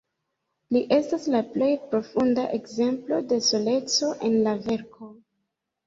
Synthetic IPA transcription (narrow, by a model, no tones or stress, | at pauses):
liʔe̞staslaple̞jpɾo̞funda̰ʔe̞kze̞mplo̞de̞so̞le̞t͡so̞ʔe̞nlave̞ɾko̞